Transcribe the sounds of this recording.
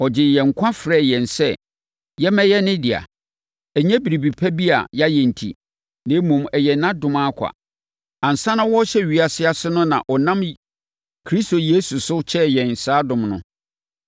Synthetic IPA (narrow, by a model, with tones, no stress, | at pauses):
ɔ˨d͡ʑɪ˨jɛ˨ŋ̩˨kʰʷã˦fɾɛː˦˨jɛ˨n˨sɛ˦ | jɛ˦mɛ̃˦jɛ˦nɪ̃˦dɪ˨a̰˨ | ɛ˨ɲɛ̃˦bi˨ɾi˨bi˨pʰɛ˦bi˦a̰˨ja˦jɛ̃˨n̩˨tʰḭ˨ | nã˨˦mũ˨mɛ˨jɛ˨nã˦dʊ̃˨mã˦kʷʰa̰˨ | ã˨n̩˨sã˦nã˦wɔ˦ɕɛ˦˨ɥi˨a˨sɪ˦a˨sɪ˦nʊ̃˦nã̰˨ʔɔ˨nã˦m | kʰɾi˦sto˨jeː˦su˨sʊ˦t͡ɕʰɛ˦jɛ̃˨n̩˨saː˦dʊ̃˨mnʊ̰̃˨